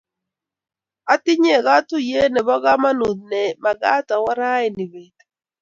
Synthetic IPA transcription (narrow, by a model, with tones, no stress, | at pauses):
a˦tɪ˦ɲe˦˨ɣa˦tʊ˦je˦nɛ˨bɔ˦ɣa˦ma˦nu˨d̪̚nɛ˨ma˨ɡa˦ta˨wa˦ɾa˦ɛ˨ni˨be˨t